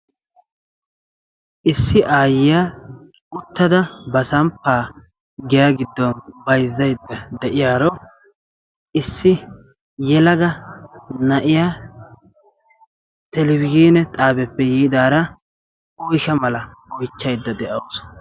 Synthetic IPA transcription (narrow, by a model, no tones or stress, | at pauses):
ʔɪsːɪʔaːjɪjaː | ʊt̪ːɐd̪ɐbɐsɐmpːaː | ɡɪjaɡɪd̪ːɔnbɐjzːɐjd̪ːɐd̪ɛʔɪjaːɾɔ | ʔɪsːɪ | jɛlɐɡɐ | nɐʔɪjaː | t̪ɛlɛbɪɡiːnɛt̪ʼaːbɛpːɛjiːd̪aːɾɐ | ɔjʃɐmɐlɐɔjt͡ʃːɐjd̪ːɐd̪ɛʔɐos